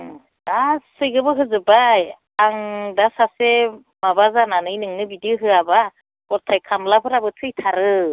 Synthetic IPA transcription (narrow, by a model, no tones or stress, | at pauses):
assɯjɡɯbɯɦɯzɯbaj | aŋdasase | mabazananɯjnɯŋnɯbidiɯɦɯaba | ɡ̥ɔɾtʰajkʰamlapʰɯɾabɯtʰɯjtʰaɾɯ